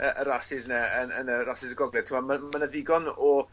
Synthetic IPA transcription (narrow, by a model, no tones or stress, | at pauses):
əʔəɾasɪsnɛənənərasɪzəɡɔɡlɛ̥tʰɪmɔmamanəðɪɡɔnɔ